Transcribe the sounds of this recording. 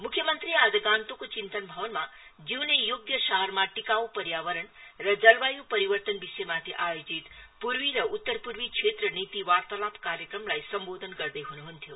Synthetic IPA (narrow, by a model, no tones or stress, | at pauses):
mukʰjəmənt̪ɾiad͡zəɡant̪okot͡ʃint̪ənbʱʌʋənmad͡ʒiwnejoɡ̚d̪jəʃaɦəɾmaʈikawpəɾjaʋəɾəɳɾʌd͡zʌlʋajupəɾiʋəɾt̪ənbisejmat̪ʰiʔajod͡zit̪puɾwiɾʌut̪ːəɾpuɾwikt͡ʃʰet̪ɾənit̪iʋaɾt̪əlapʰkaɾjəkɾəmlajsʌmbod̪ʱənɡʌɾd̪əjɦunuɦunt̪ʰjo